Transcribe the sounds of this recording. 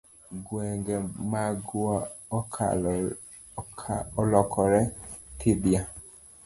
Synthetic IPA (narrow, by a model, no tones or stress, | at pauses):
ɡwɛŋɡɛmaɡuak | ɔlɔkʰɔɾɛtʰebia